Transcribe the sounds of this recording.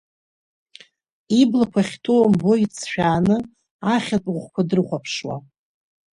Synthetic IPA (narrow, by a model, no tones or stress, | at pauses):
iblakʷʰaχʲtʰowambo̞it͡sʰʃᶣaːnɨ | aχʲat͡sʼuʁʷkʷadɨrχʷapʰʂwa̰